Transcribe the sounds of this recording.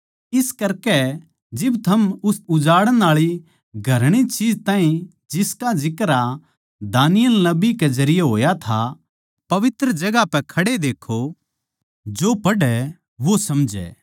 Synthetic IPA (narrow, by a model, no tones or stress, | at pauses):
ɪskɐɾkɛ | d͡ʒɪbt̪ʰɐmʊsʊd͡ʒaːɽəɽ̃aːɭi | ɡʱɐɾɽ̃it͡ʃiːd͡ʒt̪ãːĩ | d͡ʒɪskad͡ʒɪkɾa | d̪aːnɪjəlnɐbikezɐɾɪjeɦoːjat̪ʰa | pɐʋɪt̪ɾəd͡ʒɐɡapɛkʰɐɽed̪eːkʰo | d͡ʒoːpɐɖɛ | ʋosɐmd͡ʒɛ̰ː